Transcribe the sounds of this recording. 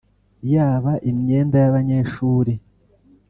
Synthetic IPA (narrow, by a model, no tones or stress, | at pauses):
jaːβaʔimɲe̞ːndajaβaɲe̞ʃuːɾe